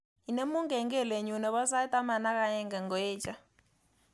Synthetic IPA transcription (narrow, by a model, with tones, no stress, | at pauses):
i˨ne˦mu˦ŋɡɛ˨ŋɡɛ˦˨le˨ɲu˨nɛ˨βɔ˦sa˦tʼa˦ma˨na˦ka˦jɛ˦ŋɡɛ˨ŋɡɔ˨ɛː˦t͡ʃʼa˦